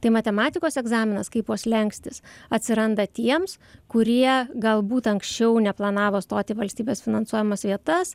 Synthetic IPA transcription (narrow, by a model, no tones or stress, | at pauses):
t̪ɐɪmɐt̪ʲɛmɑːt̪ʲɪkoːsɛɡzɑːmʲɪnɐskɐɪpuɔslʲɛŋksʲt̪ʲɪsɐt̪ʲsʲɪɾɐnd̪ɐt̪ʲiɛms | kʊɾʲiɛɡɐlˠbuːt̪ɐŋksʲt͡ʃʲɛʊnʲɛplˠɐnɑːʋoːst̪oːt̪ʲɪʋɐlʲsʲt̪ʲiːbʲeːsfʲɪnɐnsuɔjɛmɐsʋʲiɛt̪ɐs